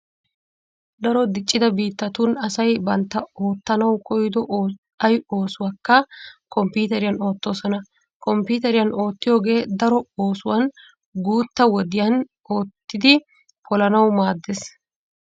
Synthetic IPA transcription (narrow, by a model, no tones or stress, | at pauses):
d̪ɐɾɔd̪ɪt͡ʃʼːɪd̪ɐbiːt̪ːɐt̪ʊnɐsɐjbɐnt̪ːɐo̞ːt̪ːɐnɐwkɔjd̪ɔ | ɐjo̞ːsʊwaːkːɐkɔmpuːt̪ɛɾɪjɐno̞ːt̪ːo̞ːsɔnɐ | kɔmpiːt̪ɛɾɪjɐno̞ːt̪ːɪjo̞ːɡe̞ːd̪ɐɾɔo̞ːsʊwɐn | ɡuːt̪ːɐwɔd̪ɪjɐn | o̞ːt̪ːɪd̪ɪ | pʰɔlɐnɐwmaːd̪ːes